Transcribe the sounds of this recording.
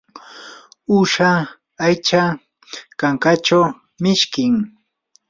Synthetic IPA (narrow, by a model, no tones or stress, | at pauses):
ʊʃa | ajt͡ʃa | kaŋkat͡ʃaw | mɪʃkɪŋ